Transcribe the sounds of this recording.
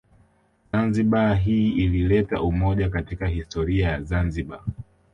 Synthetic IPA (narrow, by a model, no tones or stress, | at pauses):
zanziɓaɦiːililɛtaʔumɔʄakatikahistɔɾiajazanziɓa